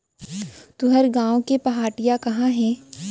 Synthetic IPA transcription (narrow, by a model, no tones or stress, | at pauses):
t̪uɦɐɾɡãːõkepɐɦaːʈɪijakɐɦãɦɛ̃ː